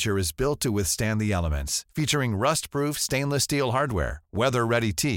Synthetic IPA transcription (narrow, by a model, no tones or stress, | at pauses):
t͡ʃə˞ɨzbɪlˠtʰəwɪθstæ̃nðiɛlˠəmɨ̰̃ntsfit͡ʃə˞ɪ̃ŋɹʌstpʰɹ̥ufstẽɪ̃nləstilˠɦɑɹd̚wɛ̰ɹwɛðə˞ɹɛɾitʰi